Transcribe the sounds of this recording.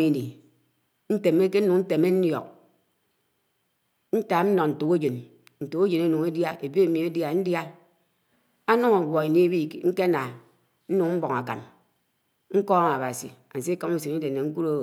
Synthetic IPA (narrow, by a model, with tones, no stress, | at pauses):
i˨ni˨ | n̩˦te˨me˦ke˦n̩˦nu˨ŋn̩˦te˨me˦n̩˦njɔ˨k̚ | n̩˦ta˨˦n̩˦nɔ˨n̩˨tu˨ke˦d͡ʒe˨n | n̩˨tu˨ke˦d͡ʒe˨ne˦nu˨ŋe˦dja˦e˨bi˦e˨mi˨e˦dja˨n̩˦dja˦ | a˦nu˦ŋa˨ɡɔ˨e˨ni˦bi˦˨˦ŋ̩˦ke˦a˦na˨ | n̩˦nu˨ŋ˦m̩˦bɔ˨ŋa˨ka̰˨n | ŋ̩˦kɔ˦ŋa˨ba˨sḭ˨a̰˨n̩˨se˦kɔ˦me˦si˨ni˦de˨ne˨ŋ̩˦ku˦ɾo˦˨